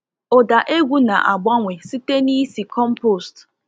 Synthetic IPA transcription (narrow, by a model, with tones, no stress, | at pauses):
o˨da˨ʔe˦ɡʷu˦na˨ʔa˨ɡ͡ba˦ŋʷe˨si˦te˦ni˦si˨kɔ˦m̩˦po˦˨st